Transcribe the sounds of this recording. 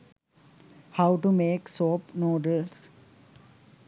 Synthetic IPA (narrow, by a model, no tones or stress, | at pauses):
haʊʈumeːksoːpnoːɖəls